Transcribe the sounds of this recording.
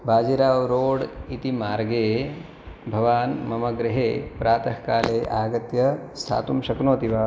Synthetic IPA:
bʱaːd͡ʒiɾaːʋɾoːɽit̪imaːɾɡeː | bʱɐʋaːnmɐmɐɡɾɪɦeːpɾaːt̪ɐɦkaːleːʔaːɡɐt̪jɐst̪ʰa̰ːt̪umʃɐknoːt̪iʋaː

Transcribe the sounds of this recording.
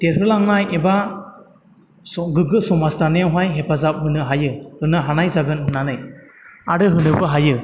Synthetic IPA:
teɾhɯlaŋnajeba | sɔɡɯɡɯsɔmastanɯjawɦajɦepʰazap̚ɦɯnɯɦajɯhɯnɯɦanajzaɡɯnɦɯnanɯjaɾɯɦɯnɯbɯɦajɯ

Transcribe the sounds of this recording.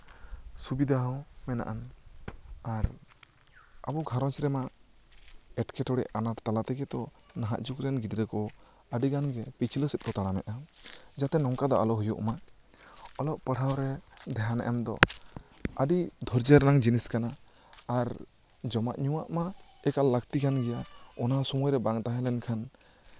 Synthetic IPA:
subid̪ʱaɦɔwmɛna̰ʔan | aɾ | a̰bɔɡʱaɾɔt͡ʃɾɛma | ɛʈkɛʈɔɽɛ̰ʔanaɾt̪alat̪ɛɡɛt̪ɔ | naɦa̰ʔd͡ʒukɾɛnɡid̪ɾɛkɔ | əɖiɡanɡɛpit͡ʃʰiləsit̪̚ˀkɔt̪aɽ̃amɛʔ̪ʔad͡ʒat̪ɛnɔŋkad̪ɔʔa̰lɔɦujṵʔma | ɔlɔʔpəɽ̤ʱawɾɛd̪ɛɦanɛ̰ʔɛmd̪ɔ̰ | əɖid̪ʱɔɾd͡ʒəɾnaŋd͡ʒiniskanaː | ɾ | d͡ʒɔmaʔɲuwaʔmaɛkalːəkt̪ikanɡɛjaɔnasɔmɔjɾɛbaŋt̪aɦɛlɛnkʰan

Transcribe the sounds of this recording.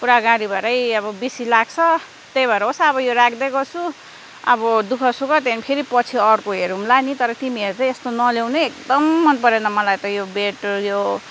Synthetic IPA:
puɾaɡaɾibʱʌɾʌjʌbʌbisilaɡt͡sʰʌ | t̪ejbʱʌɾʌɦosʰʌːbʌjoɾakʰd̪ʌkot͡sʰu | ʌ̰bʌd̪ukʰʌsukʌt̪enpʰeɾipʌt͡sʰiʌrkoɦeɾumlanit̪ʌɾʌt̪imieɾut͡saĩest̪onʌlewneek̚d̪ʌmːʌnpʌɾenʌmʌlajt̪ʌjobeʈjo

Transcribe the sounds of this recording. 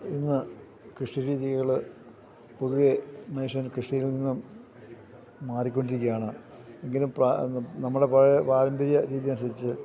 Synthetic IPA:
inːɨ | krɨʂiɾiːðiɣɐɣɐɭɨ | puðuʋemɐniʂjɐnkrɨʂijilninːum | aːrikʲːo̞ɳɖiɾikʲːujaːɳɨ | e̞ŋɡilumpranɐmːuɽe̞pɐɻepaːɾɐmbɐɾjɐɾiːðijɐnsɐðit͡ɕːɨ

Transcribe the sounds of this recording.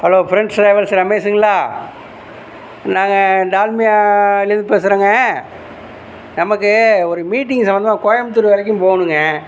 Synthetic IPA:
hɐloːfɪɾɛɳɖsɾɐɪʋɐlsɐɾɐmeːsɪŋɡɐlaː | naːŋɡɐɖaːlmɪjaːɪlːɐɾnd̪ɯpeːsɯɾɐːŋɡɐ | nɐmɐkːɯɔɾɯmiːʈ̬ːɪŋɡsɐmbɐnd̪ɐmaːkoːɻɐmt̪ːɯɾɯʋɐlɐk̬ʲːʊ̃mpoːɣɐɳɯŋɡɐ

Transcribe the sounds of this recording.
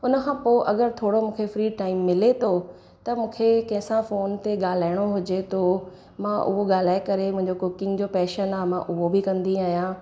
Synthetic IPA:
ʊnəkʰãːpoːʔɐɡəɾt̪ʰoːɽomũːkʰefɾiːʈaːɪmːɪlet̪ʰo | t̪ɐmũːkʰekɐ̃ɦɪ̃sãfoːnt̪eɠaːl̤aːɪɽ̃oɦʊd͡ʑet̪ʰo | mãʔʊ̰ɦoɠaːl̤aːekɐɾemʊ̃ɦɪ̃ɲd͡ʑokoːkɪ̃ŋɡd͡ʑoːpɛːʃənaːɦmãʔʊɦobɪkɐ̃nd̪iaːɦjãː

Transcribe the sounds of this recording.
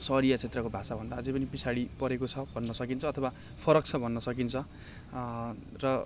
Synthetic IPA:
sʌɾijat͡sʰet̪rʌkobʱasabʱʌnd̪aːd͡zʌjp̬ʌnipisʰaɽipʌɾekot͡sʰʌbʱʌnːʌsʌkint͡sʰʌːt̪ʰʌwa | pʰʌɾʌk̚t͡sʰʌbʱʌnːʌsʌkint͡sʰʌ | rʌ

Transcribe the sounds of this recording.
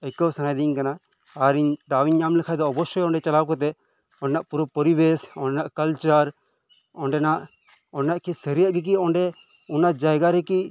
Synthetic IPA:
ɛkɔsanajd̪iɲkanaː | ɾiɲd̪awiɲːamlɛkʰad̪ɔːbɔsɔjɔɳɖɛt͡ʃalawk̬ɔt̪̬ɛ | ɔ̃ɳɖɛnaʔpuɾɔpɔɾibesɔɳɖɛnaʔkɐlt͡ʃaɾ | ɔɳɖɛnaʔ | ɔɳɖɛnaʔkɛsɛɾijəʔɡɛk̬iɔɳɖɛ | ɔnad͡ʒajɡaɾɛki

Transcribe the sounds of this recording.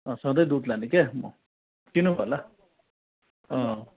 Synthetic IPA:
ʌsʌ̃d̪ʌjd̪ud̪lanikemɔ̰ | t̪inubʱola | ʌ̃

